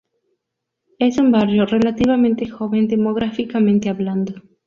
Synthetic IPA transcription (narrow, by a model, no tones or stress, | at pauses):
esumbarjore̞lat̪iβamẽnt̪exo̞βend̪emoɣ̞ɾafikamẽnt̪eaβland̪o